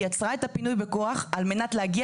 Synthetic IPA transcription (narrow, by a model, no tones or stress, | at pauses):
jat͡sʁae̞tapinujbe̞koaχalme̞natlehaɡi